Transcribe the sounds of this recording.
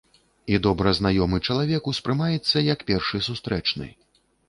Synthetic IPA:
id̪ɔbɾɐznajɔmɨt͡ʂɐlˠavʲɛkuspɾɨmajɛt̪sːɐjɐkpʲɛrʂɨsust̪ɾɛt͡ʂnɨ̰

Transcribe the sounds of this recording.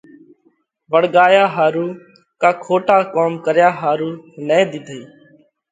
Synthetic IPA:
ʋəɽɠaːjaːɦaːɾuː | kaːkʰoːʈaːkoːmkəɾjaːɦaːɾuːnẽːd̪ɪd̪ʱiː

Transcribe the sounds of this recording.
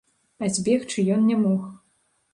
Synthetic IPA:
azʲbʲɛxt͡ʂɨjɔnnʲɛmɔx

